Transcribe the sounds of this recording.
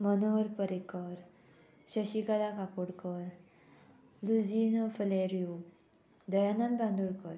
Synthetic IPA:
mənoɾpəɾekəɾ | ɕəɕikalakakuɽkəɾ | lud͡ʑinfəleɾiu | d̪əjanãnbãnd̪uɽkəɾ

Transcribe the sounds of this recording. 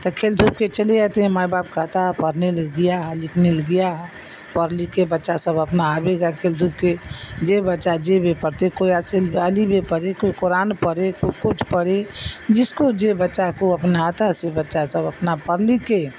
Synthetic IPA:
t̪əkʰeld̪ʱup̚ket͡ʃəleat̪ẽmajbap̚kəɦt̪aɦpəɾneləɡijaɦlɪkʰneləɡijaɦ | pəɾlikebətːʃasəbəpnaːbeɡakʰeld̪ʱup̚ked͡ʒebətːʃad͡ʒebepəɾt̪ekoiaseləlibepəɾekoikoɾanpəɾekokut͡ʃʰpəɽed͡ʒɪskod͡ʒebətːʃakoəpnat̪aɦsebətːʃasəbəpnapəɾlike

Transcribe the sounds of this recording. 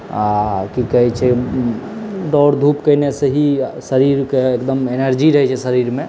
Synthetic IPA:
akikəɦɛt͡ʃʰɛ | ɖɔɽd̪ʱupkəɪneseɦisəɾiɾkeːkd̪əmenəɾd͡ʒiɾəɦɛt͡ʃʰɛsəɾiɾmẽ

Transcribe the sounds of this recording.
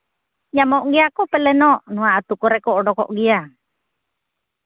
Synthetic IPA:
jamoʔɡiakopɛlɛnɔʔnuaːt̪ukoɾɛkɔːɖɔkɔ̰ʔɡia

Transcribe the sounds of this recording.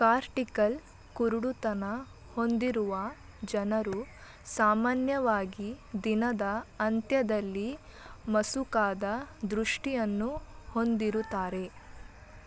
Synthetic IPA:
kaːɾʈikɐl | kuɾuɽut̪ɐnɐ | ho̞nd̪iɾuʋɐ | d͡ʒɐnɐɾu | saːmaːnjɐʋaːɡid̪inɐd̪ɐɐnt̪jɐd̪ɐlːi | mɐsukaːd̪ɐd̪ɾuʂʈijɐnːuho̞nd̪iɾut̪aːɾe̞

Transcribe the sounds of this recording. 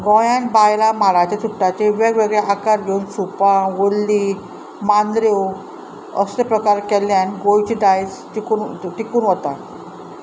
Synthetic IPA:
ɡɔjãnbajlamaɭat͡ɕet̪uʈːat͡ɕeʋeɡʋeɡɭeʔakaɾɡʱeunsupaʋolːi | mand̪ɾew | əsepɾəkaɾkɛljãnɡojt͡ɕid̪ajstikunʈikuːnʋɔt̪a

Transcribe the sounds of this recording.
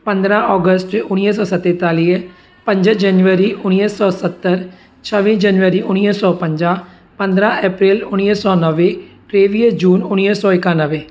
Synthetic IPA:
pə̃nd̪ɾãːɔːɡəsʈʊniəsɔːsət̪ːeːt̪aːli | pə̃ɲd͡ʒəd͡ʒənjuʋəɾiːʔʊniəsɔːsət̪ːəɾ | t͡ʃʰəʋĩːd͡ʒənʋəɾiːʔʊniəsɔːpə̃ɲd͡ʒãː | pə̃nd̪ɾãːʔɛːpɾɪːlʊniəsɔːnəʋeː | ɾeːʋiəd͡ʒuːnʊniəsɔːɪkãːnəʋeː

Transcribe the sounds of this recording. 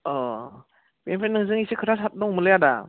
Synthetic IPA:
ɔ | bempʰenːɯŋzɯŋisikʰɯɾasat̚dɔŋmɯlɯjada

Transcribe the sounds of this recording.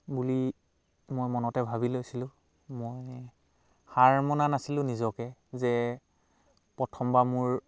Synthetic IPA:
buli | mojmɔnɔtɛbʱabilojsilʊ̃ | moj | xaɹmɔnanasilʊ̃nizɔkɛzɛ | pɹɔtʰɔmbamʊɹ

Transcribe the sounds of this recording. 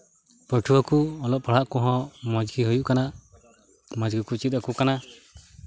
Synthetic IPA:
pəʈʰuwakuɔlɔʔpaɽ̤aʔkɔɦɔ̃mɔd͡ʒɡiɦɔjuʔkana | mad͡ʒɡikut͡ʃit̪̚akukana

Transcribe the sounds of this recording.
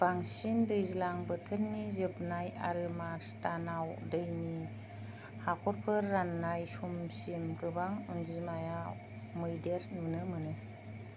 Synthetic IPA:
b̥aŋsindɯjzilaŋbɯtʰɯɾnizɯbnaja̰ɾɯmastanawdɯjni | hakʰɔɾpʰɯɾːanːajsumsimɡɯbaŋunzimaja | mɯjdeɾmɯnɯmɯnɯ

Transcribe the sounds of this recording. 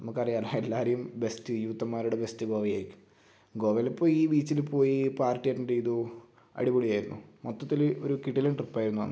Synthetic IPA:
nɐmukːɐrijɐlaelːaːɾejumbe̞stɨjuːt̪ːɐmːaːɾuɽebe̞stɨɡo̞ːʋɐja̰ːɾikʲːu̥m | ɡo̞ːʋɐlepːo̞ːiːbiːt͡ɕːilpo̞ːjipaːrtːijajʈːɐndeiðu | ɐ̰ɽiboɭijaːjiɾunːumot̪ːɐt̪ːilo̞ɾukiʈːilɐnʈrɨpːaːjiɾunːuʋɐ̰nːɨ

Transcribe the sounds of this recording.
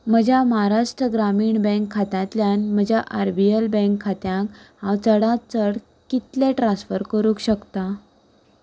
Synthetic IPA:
məd͡ʑʱjamɦaɾaʂʈɾəɡɾamiːɳbɛ̃ŋkʰːat̪jãt̪ljanm̤əd͡ʑʱjaʔaɾbielbə̃ŋkʰːat̪jãkɦãwt͡səɽãt͡səɽ | kit̪leʈɾãsfəɾkəɾũkɕəkt̪a

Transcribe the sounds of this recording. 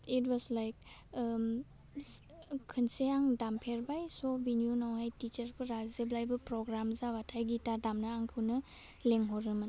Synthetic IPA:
itwɔzlajk̚ | kʰɯnseaŋdampʰeɾbajsobinijunawhajtit͡ʃɐɾkʰuɾazeblajbɐpɾɔɡɾamzawatʰajɡitadamnɐaŋkʰɯwnɐ | leŋɦoɾɯmɯn

